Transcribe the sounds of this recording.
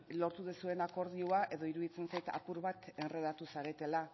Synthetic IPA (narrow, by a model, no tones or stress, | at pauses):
lo̞ɾt̪uðesue̞nako̞ɾðiuaʔe̞ðo̞iɾuðit͡se̞nsajt̪a̰puɾβat̪enreðat̪usaɾe̞t̪e̞la